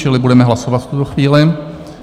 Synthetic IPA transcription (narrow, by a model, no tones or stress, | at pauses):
t͡ʃɪlɪbudɛmɛɦlasovat̪ft̪ut̪oxviːlɪ